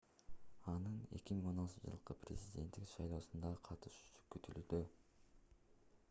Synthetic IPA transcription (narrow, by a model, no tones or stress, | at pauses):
ɑnɯne̞̰kʲimiŋo̞nɑlˠt͡ʃ̪d͡ʒɯ̰lˠqɯprʲɪzʲidʲe̞̰nt̪ːikʃɑjlˠo̞ːsund̪ɑqʰɑt̪ɯʃkyt̪ʰylyd̪y